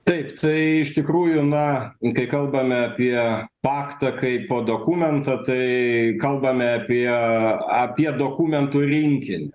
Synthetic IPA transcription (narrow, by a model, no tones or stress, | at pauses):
t̪ɐɪpt̪ʰɐɪɪʃt̪ʲɪkɾuːjʊnɐkɐɪkɐlˠbɐmʲɛɐpʲiɛpɑːkt̪ɐkɐɪpoːd̪oːkuːmʲɛnt̪ɐt̪ɐɪkɐlˠbɐmʲɛɐpʲiɛɐpʲiɛd̪oːkuːmʲɛnt̪ʊɾʲɪŋʲkʲɪnʲɪ